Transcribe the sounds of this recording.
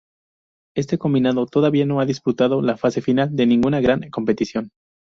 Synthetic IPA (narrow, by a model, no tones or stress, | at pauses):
e̞s̬t̪eko̞mbinaðo̞t̪o̞ðaβiano̞aðisput̪aðo̞lafase̞finald̪e̞nĩŋɡunaɣɾaŋko̞mpe̞t̪isjo̞n